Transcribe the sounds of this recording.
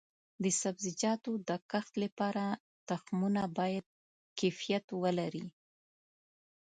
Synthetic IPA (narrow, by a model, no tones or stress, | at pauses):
d̪əsabzɪd͡ʒɑt̪od̪əkaxt̪lapɑɾa | t̪axmunabɑjad̪̚ | kefijat̪wəlaɾi